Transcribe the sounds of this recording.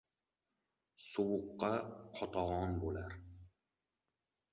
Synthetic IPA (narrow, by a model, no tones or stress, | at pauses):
sowʊqːɑqʰɒt̪ʰɑʁɑnbolaɾ